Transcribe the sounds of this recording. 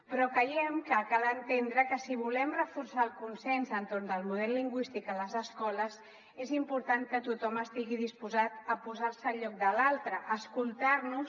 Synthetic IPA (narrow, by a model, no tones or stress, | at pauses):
pɾɔkəjɛmkəkalənt̪end̪ɾəkəsiβ̞ulɛmrəfursaəlˠkunsɛnzənt̪oɾnd̪əlˠmuð̞ɛlliŋɡwist̪ikələzəskɔləz | ezimpuɾt̪aŋkət̪ut̪ɔməst̪iɣiðispuzat̪əpuzaɾsəːʎɔk̚d̪əlalˠt̪ɾəʔːskulˠt̪aɾnu